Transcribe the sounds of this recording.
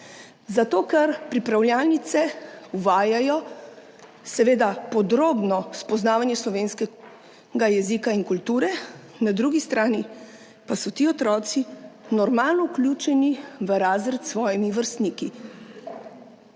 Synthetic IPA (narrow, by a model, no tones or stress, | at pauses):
zat̪oːkɛɾpɾipɾawljaːlnit̪sɛuʋaːjajɔ | sɛʋeːd̪apɔd̪ɾoːbnɔspɔznaːʋanjɛslɔʋeːnskɛ | ɡajɛzikainkult̪uːɾɛ | nad̪ɾuːɡist̪ɾaːni | pasɔt̪iːɔt̪ɾɔːt̪sinɔɾmaːlnɔuklʲuːt͡ʃɛniʋəɾaːzɾɛt̪sʋɔːjimiʋəɾst̪niːki